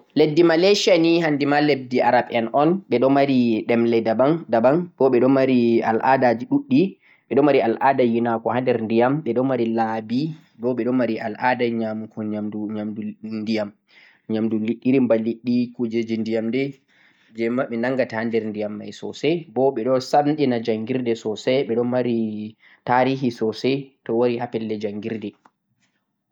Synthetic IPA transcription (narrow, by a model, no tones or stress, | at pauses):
ledːimaleʃanihandimaleb̚diʔaɾaɓɛnʔɔnɓɛɗɔmaɾiɗɛmlɛdabandabanb̥ɔɓɛɗɔmaɾia̰lʔa̰dad͡ʒiɗuɗːi | ɓɛɗɔmaɾialʔadajinakɔhandɛɾndijamɓɛɗɔmaɾilabi | bɔɓɛɗɔmaɾia̰ladaɲamukʰɔɲamduɲamdundijam | ɲamduliɗːiɾimbaliɗːikud͡ʒɛd͡ʒindijamdɛ | d͡ʒɛmaɓɛnaŋɡatahandɛɾndijamːa̰jsɔ̰sɛbɔɓɛɗɔsanɗɛnad͡ʒaŋɡiɾdɛsɔsɛɓɛɗɔnmaɾi | taɾiːɦisɔsɛtɔwaɾihapɛlːɛd͡ʒaŋɡiɾdɛ